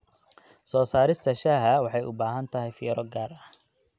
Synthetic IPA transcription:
sɔːsaːɾɪst̪ʰɐʃaːɦɐwɑħɑjʔʊ̰baːɦɐnt̪ʰɐɦɛjfḭːɾɔɡaːrɐ

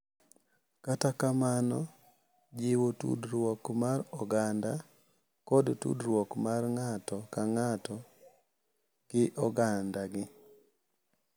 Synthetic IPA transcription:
katakamanɔ | d͡ʒɪwotṵdɾwɔkmarɔɡanda | kɔdtṵdɾwɔkmarŋatɔkaŋatɔ | ɡ̥ɪʔɔɡandaɡɪ

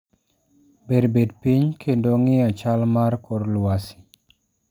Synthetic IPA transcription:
beɾbedpiɲkʰendoŋɪat͡ʃalmarkoɾlwasi̥

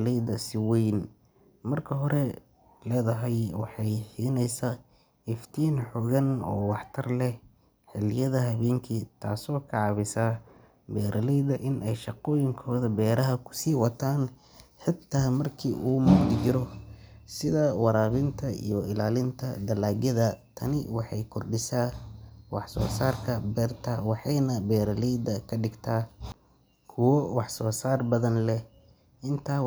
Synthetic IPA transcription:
lɛjdɐsɪwɛjn | mɐrkʰɐɦɔɾɛ | lɛːðɐɦɛjwɑħɑjħiːnɛjsa | ɪft̪ʰiːnħɔɣɐnɔ̰ːwɑħt̪ʰɐrlɛh | ħɪlɪjɐðɐɦɐβɛːŋkʰit̪ʰaːsɔːkʰɑʕɑβɪsa | bɛːɾʔɐlɛjd̪ɐʔɪnʔɛjʃɑqɔːjɪŋkʰɔːðɐbɛːɾɐɦɐkʰʊ̥siːwɑt̪ʰaːn | ħɪt̪ʰːaːmɐrkʰiːʔuːmʊd̪d͡ʒɪɾɔsɪðɐwɑɾaːβɪnt̪ʰɐḭjɔɪlaːlɪnt̪ʰɐ̰d̪ɐlaːɣjɐðɐt̪ʰɐnɪwɑħɑjkʰɔrɖɪsaːwɑħsɔ̰ːsaːrkʰɐbɛːrt̪ʰawɑħɑjnɐbɛːɾɐlijd̪ɐkʰɐɖɪɡt̪ʰaː | kʰʊwɔwɑħsɔːsaːrbɐðɐnlɛ | ʔɪnt̪ʰaː

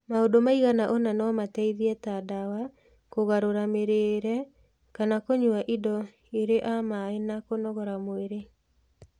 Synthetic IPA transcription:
maodomaiɣanaʔɔnanɔmatɛiðiɛtadawa | koɣaɾoɾameɾeɾɛ | kanakoɲuaʔidɔ | eɾeʔamaenakonɔɣɔɾamoeɾe

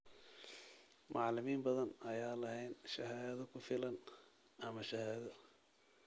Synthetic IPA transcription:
mʔɑʕlɪmiːmbɐðɐnɐjaːlɐɦɛjnʃɐɦaːðɐkʰʊfɪlɐn | ʔɐmɐʃɐhaːðɐ

